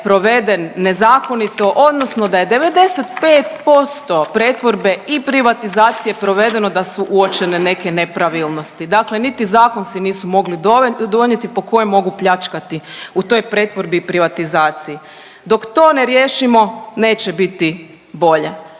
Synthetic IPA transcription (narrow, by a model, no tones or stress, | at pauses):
pɾo̞ʋe̞d̪enːe̞zaːko̞nit̪o̞ʔo̞d̪nosno̞d̪aje̞d̪e̞ʋe̞d̪e̞se̞t̪pe̞ːt̪po̞st̪o̞pɾeːt̪ʋo̞ɾbe̞ipɾiʋat̪izaːt̪sije̞pɾo̞ʋe̞d̪e̞no̞d̪asuʔuot͡ʃe̞nene̞ke̞nepɾaʋilˠno̞st̪id̪aklenit̪izaːko̞nsiniːsumo̞ɡlid̪d̪o̞ɲet̪ipo̞ko̞jemːo̞ɡupʎat͡ʃkat̪iut̪o̞jpɾet̪ʋo̞ɾbiːpɾiʋat̪izaːt̪siji | d̪o̞kt̪o̞ːneɾjeːʃimo̞ne̞ːt͡ʃebit̪i | bo̞ʎe̞